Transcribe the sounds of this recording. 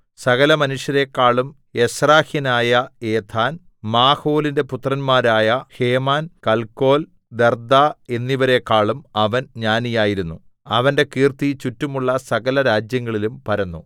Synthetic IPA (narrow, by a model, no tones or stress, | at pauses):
sɐɣɐlɐmɐnuʂjɐɾe̞kːaːɭum | e̞sraːhinaːjɐeːt̪ʰaːn | maːho̞ːlinde̞put̪rɐnmaːɾaːjɐhe̞ːmaːnkɐlko̞ːl | d̪erd̪aːe̞nːiʋɐɾe̞kːaːɭumɐʋɐnɲaːnijaːjiɾunːu | ɐʋɐnde̞kiːrt̪it͡ɕutːumuɭːɐsɐɣɐlɐɾaːd͡ʑjɐŋːɐɭilumpɐɾɐnːu